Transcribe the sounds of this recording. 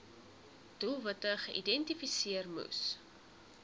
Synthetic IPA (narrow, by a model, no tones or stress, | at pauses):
d̥ulˠvətəχəʔidɛntifisiərmṵs